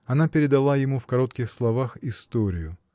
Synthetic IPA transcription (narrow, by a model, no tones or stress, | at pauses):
ɐnapʲɪɾʲɪd̪ɐlˠajɪmufkɐɾo̞t̪kʲɪxslˠɐvaxɪst̪oɾʲɪjʊ